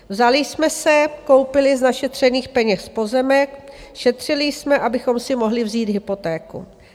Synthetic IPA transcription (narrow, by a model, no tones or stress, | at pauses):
vzalɪsmɛsɛko̞wpɪlɪznaʃɛt̪r̝̥ɛniːxpɛɲɛspo̞zɛmɛkʃɛt̪r̝̥ɪlɪjsmɛʔabɪxo̞msɪmo̞ɦlɪvziːd̪ɦɪpo̞t̪ɛːkṵ